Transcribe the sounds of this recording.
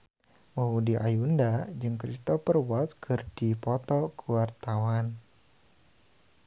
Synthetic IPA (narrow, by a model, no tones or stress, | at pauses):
mɔɦudiʔajundad͡ʒɨŋkɾist̪ɔpərwat̪̚kʰɨrd̥ipɔt̪ɔkuwart̪awan